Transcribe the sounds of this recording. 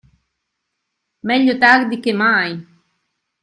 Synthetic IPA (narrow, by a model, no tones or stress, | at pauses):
meʎot̪akd̪ikemaːj